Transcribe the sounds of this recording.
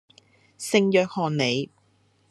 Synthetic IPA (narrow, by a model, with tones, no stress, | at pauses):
sɪ˨˧ŋjœː˨k̚hɔː˨nne˨˧j